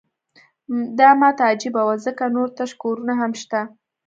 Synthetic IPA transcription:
d̪ɑmɑt̪ad͡ʒɪbawazəkanoɾt̪aʃkoɾunaɦamʃt̪a

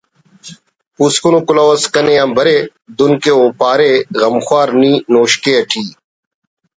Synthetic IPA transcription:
puːskʊnuːkʊlaːʋəskənẽːãːmbʱəɾeː | d̪ʊnkeːoːpaːɾeːɣəmxwaːɾniːnoːʃkeːəʈʰiː

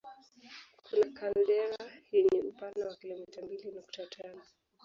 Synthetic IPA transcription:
kʰunakandɛɾajɛɲɛm̩pandawakilɔmitambilinuk̚tatʰanɔ

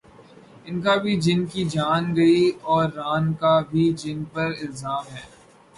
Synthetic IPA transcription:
ɪnkabʱid͡ʒɪnkid͡ʒaːnɡɐiɔːɾːaːnkabʱid͡ʒɪnpɐɾɪlzaːmɦɛː

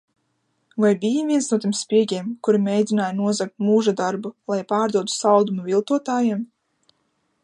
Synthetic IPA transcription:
vajbʲijaviɛnsnuɔt̪̬ʲiɛmspʲiɛɡʲiɛmkuɾimʲejd̪ʲinaːjanuɔzak̚t̪muːʒad̪aɾbulˠajpaːɾd̪uɔt̪u̥sawd̪umuvilˠt̪uɔt̪aːjem

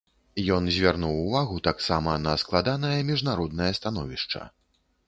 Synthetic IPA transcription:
jɔnzʲvʲarnuwːvaɣut̪aksamɐnɐsklˠad̪anɐjɐmʲiʐnaɾɔd̪̚nɐjɐst̪anɔvʲiʂt͡ʂɐ̰

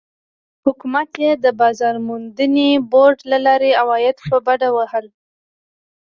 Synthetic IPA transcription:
hʊkumat̪jed̪əbɑzɑɾmund̪əneboɾɖlalɑɾeawɑjɪd̪pəbaɖawahəl

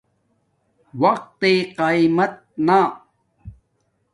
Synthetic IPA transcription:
wɐq̚t̪eqajmɐt̪̚na

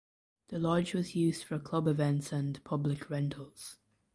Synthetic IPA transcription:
ðəlɒd͡ʒwɒzjʉːzd̥fəɹkʰl̥ʌbɪvɛ̃ntsə̃npʰʌblɪkʰɹɛ̃ntʰəl̩ˠz̥

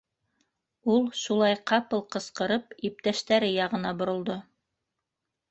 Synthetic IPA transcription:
ulˠʃulˠɑjqɑpɤlˠqɤ̆sqɤ̆ɾɤpip̚t̪æʃt̪æɾɘjɑʁɤ̆nɑbŏɾŏlˠd̪o

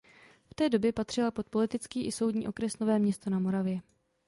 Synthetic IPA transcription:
ft̪ɛːdo̞bjɛpat̪r̝̥ɪlapo̞t̪̚po̞lɪt̪ɪt͡skiːʔɪso̞wdɲiːʔo̞kɾɛsno̞vɛːmɲɛst̪o̞namo̞ɾavjɛ

